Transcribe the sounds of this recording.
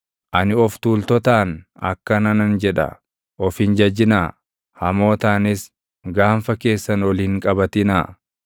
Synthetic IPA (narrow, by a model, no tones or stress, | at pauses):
ʔɐnɪɔft̪uːlt̪ɔt̪aːnɐ̰kːɐnɐnɐnd͡ʒɛᶑɐ̰ | ʔɔfhɪnd͡ʒɐd͡ʒːɪnaː | hɐmo̞ːt̪aːnɪs | ɡaːnfɐke̞ːsːɐnwɔliːŋkʼɐbɐt̪ɪnaː